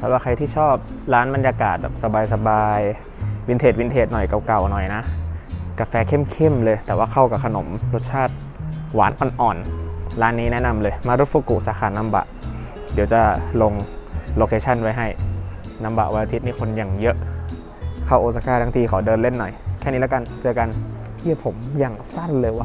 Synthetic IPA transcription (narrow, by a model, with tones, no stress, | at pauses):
t̪ʰpwaː˥˩kʰa˧jt̪ʰiː˥˩t͡ɕʰɔː˥˩p̚ | ɾaː˦˥nba˧njaː˧kaː˨˩t̪̚bɛ̰˨˩p̚sa˧baː˧jsa˧baː˧j | wi˧nt̪ʰeː˨˩t̪̚wi˧nt̪ʰeː˨˩t̪̚nɔ˨˩jka˨˩wka˨˩wnɔ˨˩jna˦˥ʔka˧fɛː˧kʰe˥˩˨mkʰe˥˩mlɤː˧jt̪ɛː˨˩waː˥˩kʰa˧˥˩wka˨˩kʰa˧no˩˦mɾo˦˥t̪̚t͡ɕʰaː˥˩t̪̚ | wa̰ː˨˩˦nʔɔ˨˩nʔɔː˨˩nɾaː˦˥nːiː˦˥nɛ˦˥na˧mlɤː˧jmaː˧ɾo˦˥t̪̚fuː˧˩ku˨˩ʔsaː˨˦xʰaː˧˩nːa˧˥mba̰˨˩ʔ | di˨˩˦wt͡ɕa˨˩lo˧ŋloː˧kʰeː˧t͡ɕʰa˧˥˩nwa˧jɦa˧˥˩j | na˧˥mba̰˨˩ʔwa˧la˧t̪ʰi˦t̪̚niː˧˥˩o˧njaː˨˩ŋjɤ˦˥ʔ | kʰa˧˥˩wʔoː˧˩sa˧kaː˧˩t̪ʰa˧˥ŋt̪ʰiː˧kʰa˨˩˦wdɤː˧nle˥˩nːɔ˨˩jkʰɛː˥˩niː˦˥lɛː˧˥˧ka˧nt͡ɕɤː˧ka˧nʰiː˧˩˨pʰo˩˦mjaː˨˩ŋsa˥˩nlɤː˧jwaː˧˩